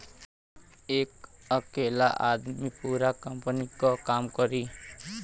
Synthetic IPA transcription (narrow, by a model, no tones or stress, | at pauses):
eːkʌkelaʔad̪mipuɾakʌmpənikɔkamkʌɾi